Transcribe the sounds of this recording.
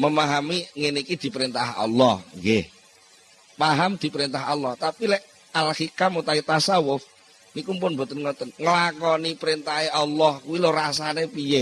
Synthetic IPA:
məmaɦamiŋenikid̪̥i̤pəɾint̪aɦɔ̰lːɔhŋɡeh | paɦamd̪̥i̤pəɾint̪aɦɔlːɔht̪apilɛʔ | alxikamut̪ait̪asawʊf | nikumpʊnbo̤t̪ənŋɔt̪ənŋəlakɔnipəɾint̪aɦeʔalːɔhkuwiloɾasanepije

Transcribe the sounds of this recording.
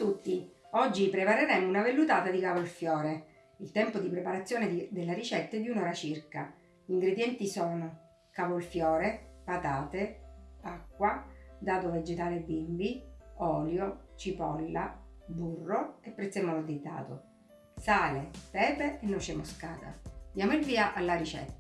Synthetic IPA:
t̪ut̪ːiɔd͡ʒːipɾepaɾeɾɛmounavelːut̪aːt̪ad̪ikavolfjɔːɾe | ilt̪ɛmpod̪ipɾepaɾat̪sːjoːned̪elːeɾit͡ʃɛt̪ːed̪iunɔːɾat͡ʃirka | iŋɡɾed̪jɛnt̪isɔːno | kavolfjɔːɾepat̪aːt̪eakːwad̪aːt̪oved͡ʒet̪aːleebːimbiɔːljot͡ʃipɔlːa | burːoepːɾɛt̪sːemɔːnod̪ed̪a̰ːt̪o̰ | saːlepɛːpeenːot͡ʃemoska̰ːt̪a̰d̪jaːmoilviːaʔalːaɾit͡ʃɛ̰t̪ː

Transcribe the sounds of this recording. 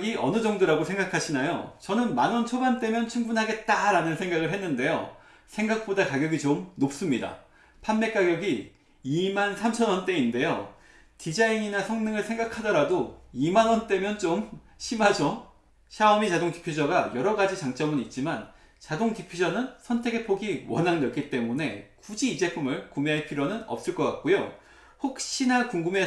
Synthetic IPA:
ɡiʔʌnɯd͡ʑʌŋdoɾaɡosʰe̞ŋɡakʰaɕʰinajot͡ɕʌnɯnmanwʌnt͡ɕʰobant͈e̞mjʌnt͡ɕʰuŋbunɦaɡe̞t̚t͈aɾanɯnsʰeŋɡaɡɯɭɦe̞nːɯnde̞jo̰ | sʰe̞ŋɡak̚p͈odakaɡjʌɡit͡ɕomnop̚s͈ɯmɲida̰ | pʰanme̞k͈aɡjʌɡi | imansʰamt͡ɕʰʌnwʌnt͈e̞inde̞jo | tid͡ʑaiɲinasʰʌŋnɯŋɯɭsʰe̞ŋɡakʰadʌɾadoimanwʌnt͈e̞mjʌnt͡ɕom | ɕʰimad͡ʑʌ | ɕʰaʌmit͡ɕadoŋti̥pʰjud͡ʑʌɡajʌɾʌɡad͡ʑit͡ɕaŋt͡ɕ͈ʌmɯnit̚t͡ɕ͈iman | t͡ɕadoŋtipʰod͡ʑʌnɯnsʰʌntʰe̞ɡe̞pʰoɡiwʌnɦaŋnʌk͈it͈e̞mune̞kud͡ʑiːd͡ʑe̞pʰumɯɭkumeɦaɭpʰiɾjonɯnʌ̰p̚s͈ɯɭk͈ʌk͈at̚k͈ojo | ɸok̚ɕ͈inakuŋɡume̞

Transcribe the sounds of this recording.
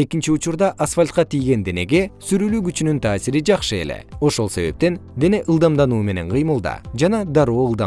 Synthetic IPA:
e̞kint͡ʃiut͡ʃuɾd̪ɑʔasfalʲt̪̚qɑt̪ʰijɡe̞nd̪e̞ne̞ɡe̞syɾylyːɡyt͡ʃynynt̪ʰɑːsiɾid͡ʒɑqʃɯe̞̰le̞̰o̞ʃo̞lˠse̞βe̞p̚t̪e̞nd̪e̞ne̞ʔɯlˠd̪ɑmd̪ɑnuːme̞ne̞nqʰɯjmɯlˠd̪ɑ̰d͡ʒɑnɑd̪ɑɾo̞ːɯlˠd̪ɑ

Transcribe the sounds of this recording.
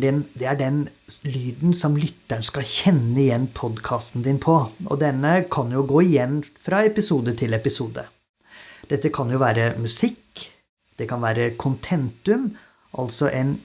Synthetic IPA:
ɪnd̪ɛæɖɛnlyːd̪n̩sɔmlʏt̪ːæɳskɑçɛnːəɪjɛnːpʰɔd̪kʰɑːst̪n̩d̪ɪnpʰɔʔɔ̰d̪ɛnːəkʰɑnjʊɡoːɪjɛnːfɾɑɛpɪsuːd̪ət̪ʰɪlɛpɪsuːd̪ə̰ | d̪̥ɛt̪ːəkʰɑnjʊʋæːɾəmʉsɪk | d̪̥ɛkʰɑnʋæːɾəkʰʊnt̪ʰɛnt̪ʉm | ʔɑ̰lsɔʔɛn

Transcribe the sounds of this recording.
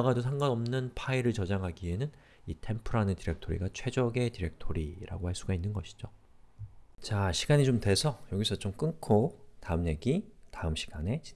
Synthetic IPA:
ɡadosʰaŋɡanʌmnɯnpʰaiɾɯɭt͡ɕʌd͡ʑaŋɦaɡie̞nɯn | itʰe̞mpʰɯɾanɯtiɾe̞k̚tʰoɾḭɡat͡ɕʰwe̞d͡ʑʌɡe̞tiɾe̞k̚tʰoɾiɾa̰ɡohaɭs͈uɡainːɯnɡʌɕʰi̥d͡ʑo | t͡ɕaɕʰiɡaɲit͡ɕomtwe̞sʰʌjʌɡisʰʌt͡ɕomk͈ɯnkʰotaɯmɲe̞ɡitaɯmɕʰi̥ɡ̥ane̞t͡ɕi

